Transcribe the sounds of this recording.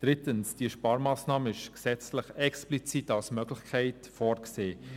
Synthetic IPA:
d̥ʁɪtənsd̥iːʃpɑːɾmɑːsnɑːməɪʃksɛt͡slɪχɛksplit͡sitalsmœɡlɪçkʰɛɪtfɔːrkseː

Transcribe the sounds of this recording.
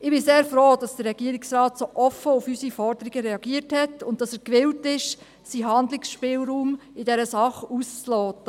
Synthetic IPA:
ɪb̥ɪseːɾfɾoːd̥ɑsd̥əɾːɛɡ̥iəɾɪksɾɑːtsoːʔɔfəufysifɔɾd̥əɾiɡəɾɛɑɡ̥iəɾthɛtʊnttɑsæɾkʋɪltɪʃ | siɦɑnd̪lɪksʃpɪːlɾuːmɪdɛɾəsɑχust͡slɔːtːə

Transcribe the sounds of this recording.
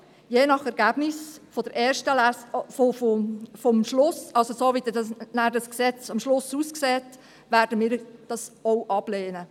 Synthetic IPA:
jeːnɑχɛɾɡæb̥nɪsfod̥əɾʔeːɾʃtəlæsfofofɔmʃlʊsɑlsosoːvidɛdɑsnæɾdɑsksɛt͡sɑmʃlʊsuskseːt | ʋæːɾdəmiːɾd̥ɑsɔʊʔɑb̥leːnə

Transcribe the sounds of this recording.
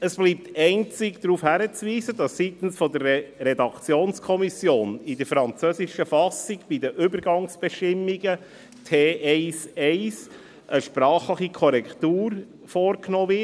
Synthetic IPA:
əsb̥liːp̚tɛɪnt͡sikd̥ɾuːfhæɾət͡sviːzədɑssitn̩sfɔdərɾɛdɑkt͡sjoːnskʰɔmisjoːnɪdəɾfɾɑnt͡søsiʃəfɑsiɡb̥idəʔʏbəɾɡɑŋsb̥ɛʃtɪmːiɡə | tʰeːʔɛɪsɛɪs | ʔəʃpɾɑːχləχikʰɔɾɛktuːɾ | fɔːɾknɔːvɪ

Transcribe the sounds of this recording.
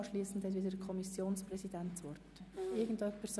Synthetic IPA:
ʃliːsn̩dhɛt̬ʋɪdəd̥əkʰɔmisjoːnsprɛsidɛntt͡sʋɔrtɪɡn̩tœpʰɛs

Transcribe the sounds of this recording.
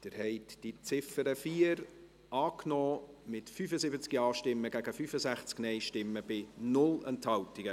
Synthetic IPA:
d̥ɪɾhɛɪtd̥it͡sɪfəɾəfiːəɾ | ʔɑːknɔːmɪtfyːfəsɪbət͡skiɑːʃtɪmːəɡæɡəfyːfəzæχt͡sknɛɪʃtɪmːəb̥ɪnʊlɛnthɑwtiɡ̥ə

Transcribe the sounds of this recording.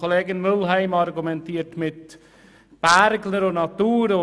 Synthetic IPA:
oleːɡɪnmʏlɦæɪmɑɾɡumɛntiːətmɪt | b̥æɾɡləɾʊnɑt̪uːɾʊ

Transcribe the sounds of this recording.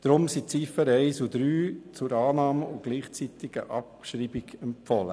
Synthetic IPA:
d̥ɾʊmsit͡sifəɾɛɪsud̪ɾyːt͡sʊɾɑːnɑːməʊɡ̥liːχt͡sit̪iɡ̥ə̰ʔɑpʃɾiːbiɡ̥ɛmpfɔlə

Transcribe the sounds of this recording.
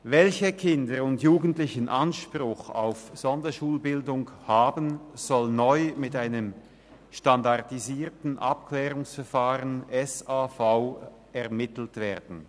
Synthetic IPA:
vɛlçəkʰɪndəʊntjuːɡən̩tlɪçənʔanʃpʁʊxa̰ʊfz̥ɔndɐʃuːlbɪldʊŋhaːbən̩z̥ɔlnɔʏmɪtaɪnəm | ʃtandaʁdiziːtn̩ʔapklɛːʁʊŋsfɛɐfaːʁənɛsaːfaʊ | ɛʁmɪtl̩tv̥eːʁdn̩

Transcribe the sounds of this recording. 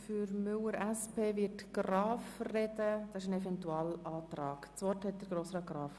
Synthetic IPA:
fyɾmʏləɾæspʰeːvɪɾtɡ̥rɑːfrɛdəd̥ɑsɪʃənɛvɛntuɑːlɑːtɾɑːkt͡sʋɔthɛt̚d̥əɾɡɾoːsɾɑɡɾɑːf

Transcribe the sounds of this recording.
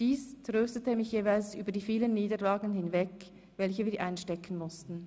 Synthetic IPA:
d̥iːstʁøːstətəmɪçjeːvaɪlsʔyːbɐdiːfiːlənːiːdəlaːɡən̩hɪnvɛk | vɛlçəviːɾʔaɪnʃtɛkʰn̩mʊstn̩

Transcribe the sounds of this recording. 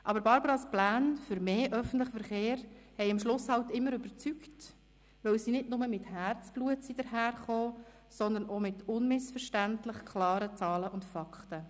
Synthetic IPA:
ʔɑbəɾbɑɾbəɾɑsplæːnfʏɾmeːʔœfən̩tləχəfəɾχeːɾhɛɪɪmʃlʊshɑltɪmːəɾʏbəɾt͡sykt | ʋœwsinɪdnʊməmɪthæːɾt͡sb̥luətsid̥əɾɦæːɾχoː | sɔnd̪ənomɪtʰʊnmɪsfəɾʃtæntlɪχkʰlɑːɾət͡sɑːləʔʊntfɑkʰtə

